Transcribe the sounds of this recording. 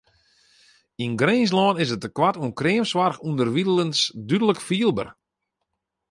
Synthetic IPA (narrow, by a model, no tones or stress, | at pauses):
inɡreːns̬lɔːnɪsətəkwatuənkrɪəmswarxundərʋidəlˠənsdydələkfiəlˠbə̰r